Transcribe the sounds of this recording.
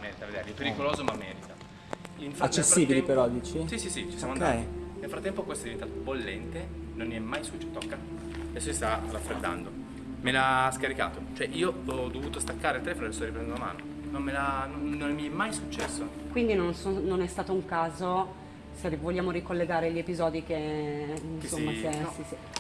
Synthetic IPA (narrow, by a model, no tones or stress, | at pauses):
mɛːɾit̪aved̪eɾipeɾikoloːzomamːɛ̰ːɾit̪a | infɾat͡ʃːesːfːiːbilipeɾɔd̪iːt͡ʃisisisit͡ʃi̥sjamoannelfɾat̪ːɛmpokwest̪od̪ivent̪at̪obolːɛnt̪e | nonmiɛmːajsut͡ʃːɛt̪okːa | ad̪ɛsːosist̪arafːɾed̪ːa̰nd̪o | melaskaɾika̰ːt̪ot͡ʃoɛʔiːoɔd̪ːovuːt̪ost̪akːaːɾelt̪elefonoeest̪ɔɾipɾɛnd̪oama̰ːno̰ | nommelanonːonmiɛmːajsut͡ʃːɛsːokwind̪inonsononɛst̪aːt̪ouŋkaːzo | seivoʎːaːmoɾikolːeɡaːɾeʎepizɔːd̪ike | nsomːasesisi